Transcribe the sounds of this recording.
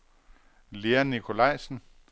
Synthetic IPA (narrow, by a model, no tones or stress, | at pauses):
leænːikʰo̝lɑ̈ɪ̰sn̩